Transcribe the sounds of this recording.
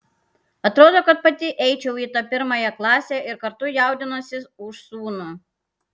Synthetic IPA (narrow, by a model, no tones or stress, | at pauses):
ɐt̪ɾoːd̪oːkɐt̪̚pɐt̪ʲɪʔɛɪt͡ʃʲɛʊiːt̪ɐpʲɪɾmɐjɛklˠɑːsʲeːɪɾkɐɾt̪ʊjɛˑʊd̪ʲɪnosʲɪsʊʃsuːnu